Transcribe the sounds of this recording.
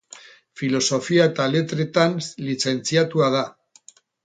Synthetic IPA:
filo̞so̞fiaet̪ale̞t̪ɾe̞t̪anlit͡se̞nt͡siat̪uað̞a

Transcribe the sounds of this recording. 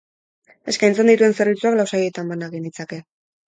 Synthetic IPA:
e̞skajnt͡se̞nd̪it̪ue̞nse̞ɾβ̞it͡suaklawsajiet̪ambanaɣind̪it͡sake̞

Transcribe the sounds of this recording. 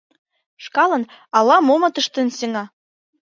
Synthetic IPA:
ʃkɑlɤ̆nɑlɑmomɤ̆t̪əʃt̪ə̆nseŋɑ

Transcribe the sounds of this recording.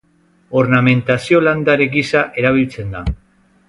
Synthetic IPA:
o̞ɾname̞nt̪asio̞land̪aɾeɡisaʔe̞ɾaβ̞ilt͡se̞nd̪a

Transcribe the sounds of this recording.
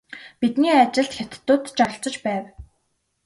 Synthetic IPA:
pit̪niːat͡ɕɪ̆ɬt̪xʲat̪̆t̪ːʊːt̪t͡ɕɔ̆ɬt͡sɞ̆t͡ɕpæːw

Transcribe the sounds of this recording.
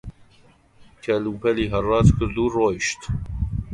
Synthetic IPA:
kʰɛlupʰɛliːɦɐrɑːt̪kʰɨɾd̪uːroːjʃt̪

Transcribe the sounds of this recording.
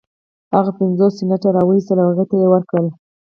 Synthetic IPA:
haɣapɪnzosɪnaʈaɾɑwəist̪əlawaɣet̪ajewəɾkɽəl

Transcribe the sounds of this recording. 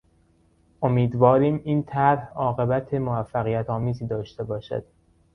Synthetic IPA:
ʔo̞miːd̪vɒːɾiːmiːnt̪ʰæɾhɒːɣe̞bæt̪ʰe̞movæfːæɣijæt̪ʰɒːmiːziːd̪ɒːʃt̪e̞bɒːʃæ̰d̪̥

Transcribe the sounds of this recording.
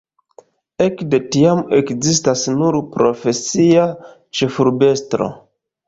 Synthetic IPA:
e̞kde̞tiame̞kzistasnuɾpɾo̞fe̞sia | t͡ʃe̞fuɾbe̞stɾo̞̰

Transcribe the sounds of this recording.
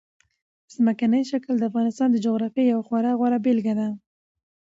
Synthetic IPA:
z̥məkanəjʃakld̪əafɣɑnɪst̪ɑnd̪əd͡ʒoɣɾɑfjejawaxwaɾɑɣwaɾabelɡad̪a

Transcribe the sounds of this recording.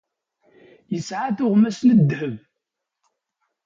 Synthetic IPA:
jəsʕaθʊʁmæsnəd̪ːhəv

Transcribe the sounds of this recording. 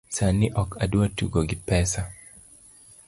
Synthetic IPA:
saniʔɔkaduwatṵɡoɡɪpɛsa

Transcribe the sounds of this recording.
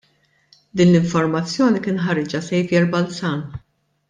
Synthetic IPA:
d̪iːnlɪɱfɔɾmɐt͡sːjɔːnikɪːnħɐɾɪd͡ʒɐsɛjvjɛɾbɐlsɐːn

